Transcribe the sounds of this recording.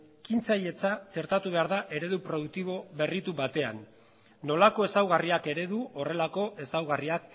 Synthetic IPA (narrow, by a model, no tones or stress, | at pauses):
kint͡saje̞t͡sat͡se̞ɾt̪at̪uβ̞e̞aɾðaʔe̞ɾe̞ðupɾo̞ðuk̚t̪iβo̞βe̞rit̪uβat̪e̞a̰nː | o̞lako̞e̞sawɣ̞ariake̞ɾe̞ðuore̞lako̞ʔe̞sawɣ̞ariak